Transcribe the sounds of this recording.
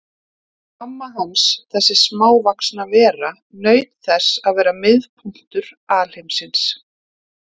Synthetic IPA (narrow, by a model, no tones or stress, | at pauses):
kamːaɦansθɛsːɪsmaːwvaksnavɛːɾa | nœːɥt̪θɛsaðvɛːɾamɪðpʰum̥t̪ʏɾ̥aːl̥ejmsɪns